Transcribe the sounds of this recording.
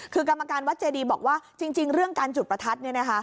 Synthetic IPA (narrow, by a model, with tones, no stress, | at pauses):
kʰɯː˧ka˧mːa˧kaː˧nwa˦˥t̪̚t͡ɕeː˧diː˧bɔː˨˩k̚waː˥˩t͡ɕi˧ŋt͡ɕi˧ŋɾɯ˥˩əŋkaː˧nt͡ɕu˨˩t̚pɾa˧t̪ʰa˦˥t̪̚ni˥˩ɐna˦˥kʰa˦˥